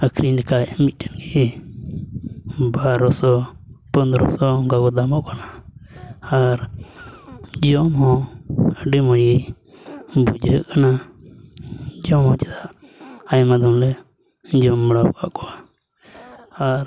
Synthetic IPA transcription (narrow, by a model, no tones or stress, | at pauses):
əkʰɾinikajmit̪̚ˀʈɛnɡi | baɾɔsɔpənd̪ɾɔsɔɔŋkakɔd̪amɔʔkana | aɾ | d͡ʒɔmhɔ̃əɖimɔjej | bud͡ʒɦəʔkana | d͡ʒɔmhɔ̃t͡ʃɛd̪aʔ | ajmad̪ɔmlɛ | d͡ʒɔmːəɽapkaʔkɔa | aɾ